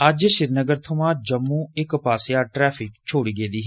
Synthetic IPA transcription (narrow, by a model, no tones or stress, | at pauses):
əd͡ʒʃɪɾnəɡəɾt̪ʰʊmãːd͡ʒəmːuːɪkpaːsɪjaːʈɾɛːpʰɪkt͡ʃʰoːɽiːɡeːd̪iːɦ